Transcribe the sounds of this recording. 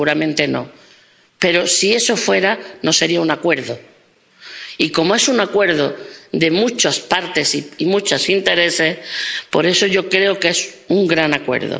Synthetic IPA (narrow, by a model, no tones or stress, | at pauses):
uɾamẽnt̪e̞no̞̰ | pe̞ɾo̞sie̞so̞fwe̞ɾano̞se̞ɾiaunakwe̞ɾðo | iko̞moe̞suŋakwe̞ɾðoðe̞mut͡ʃaspaɾt̪e̞siimut͡ʃosint̪e̞ɾe̞se̞hpo̞ɾe̞so̞ʝo̞kɾe̞oke̞s | uŋɡɾanakwe̞̰ɾðo̰